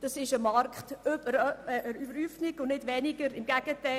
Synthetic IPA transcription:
d̥ɑsɪʃəmɑrkχtøbəɾʔəɾybəɾyːfnɪɡʊ̃nnɪdʋɛnɪɡəɾɪmɡæɡ̥əta

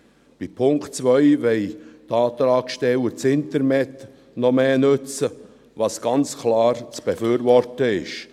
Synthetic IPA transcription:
b̥ipʰʊŋktt͡svœʏvɛɪtɑːtɾɑːkʃtɛləɾt͡sɪntəɾnɛt | nɔmeːnʉt͡sə | vɑsɡ̥ɑnt͡skʰlɑːɾt͡sb̥efyːɾvɔrtəɪ̰ʃ

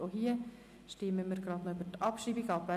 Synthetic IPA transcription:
oɦiə | ʃtɪməmiɾɡɾɑːd̪nɔøbətɑpʃiːbiɡɑpvæ

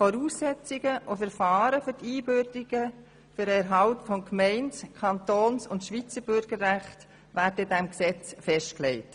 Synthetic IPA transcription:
fɔɾuːsːɛt͡siɡ̥əʔofɛɾfɑːɾəfʏɾtiːbøɾdiɡ̥ə | fʏɾɛɾɦɑʊtfɔnkʰmɛɪntskʰɑntoːnsʊntʃʋit͡səɾbʏɾɡ̥əɾːæχt | ʋæːdədɛmksɛt͡sfɛʃtklɛɪt

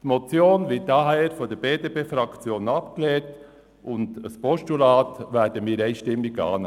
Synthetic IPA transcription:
tmɔt͡sjoːnʋɪt̚dɑɦɛːɾfɔd̥əɾb̥eːdeːpeːfɾɑkt͡sjoːnɑpkleːt | ʔʊndəspɔʃtulɑːtʋæɾdəmiːɾeɪʃtɪmːɪɡɑ̰ːn

